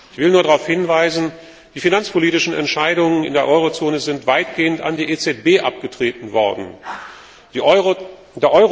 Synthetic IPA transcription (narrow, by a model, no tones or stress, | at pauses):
ʔɪçv̥ɪlnuːɐɾaʁaʊfhɪnvaɪzn̩ | d̥iːfinant͡spʰoliːtɪʃn̩ɛ̰ntʃaɪɾʊŋənɪ̰ndeːɐʔɔʏʁ̞ot͡soːnəzɪntv̥aɪtɡ̥eːənta̰ndiːʔeːt͡sɛt̚b̥eːʔap̚ɡ̥ətʁ̥eːtn̩vɔɐdn̩ | deːɐʔɔʏ